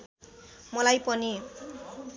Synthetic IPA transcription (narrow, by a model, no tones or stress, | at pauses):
mʌlajpʌni